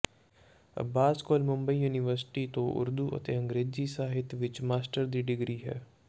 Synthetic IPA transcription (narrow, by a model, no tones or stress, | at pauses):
baːskoːlmʊ̃mbəiːjuːnɪʋəɾsɪ̥ʈiːt̪õːʔʊ̰ɾd̪uːʔə̰t̪eːə̃ŋɡɾeːziːsaːɦɪt̪ʋɪt͡ʃmaːsʈəɾd̪iːɖɪɡɾiːɦɛ̰ː